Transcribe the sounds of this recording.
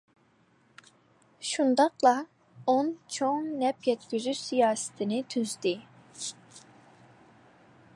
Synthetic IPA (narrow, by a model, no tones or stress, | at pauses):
ʃund̪ɑqlˠɑ | ont͡ʃʰoŋnɛpjɛt̪kʲyzysijɑːsɪ̥t̪ʰɪnɪt̪ʰyzd̪ɪ